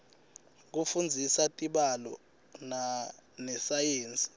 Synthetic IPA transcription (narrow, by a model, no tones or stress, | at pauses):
k̬ufund͡zʱisatʼiɓalɔ̰ | nanɛsajeːnt͡sʼi̥